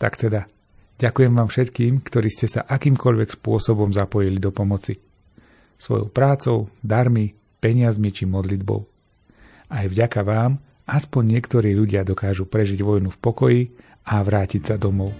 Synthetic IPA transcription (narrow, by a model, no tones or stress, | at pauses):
t̪a̰kt̪ɛd̪a | ɟakujɛmʋaːmfʃɛt̪kiːmkt̪ɔɾiːscɛsa̰ʔakiːmkɔʎʋɛkspʊɔsɔbɔmzapɔjilid̪ɔpɔmɔt͡si | sʋɔ̰jɔ̰ʊpɾaːt͡sɔʊd̪aɾmi | pɛɲɪazmit͡ʃimɔd̪lid̪bɔ̰ʊ | ajvɟakaʋaːm | aspɔɲːɪɛkt̪ɔɾiːʎuɟɪad̪ɔkaːʒupɾɛʒiɟʋɔjnufpɔkɔji | aʋɾaːcicsad̪ɔmɔʊ